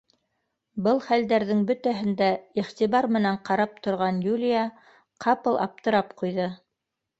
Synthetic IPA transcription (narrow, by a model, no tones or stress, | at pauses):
bɤlˠχæld̪æɾðɘŋbɵ̆t̪æɦɘ̆nd̪æiχt̪iβɑɾmɘ̆næɴqɑɾɑp̚t̪ŏɾʁɑnjulʲija | qʰɑpɤlˠʔɑ̰p̚t̪ɤ̆ɾɑpqujðɤ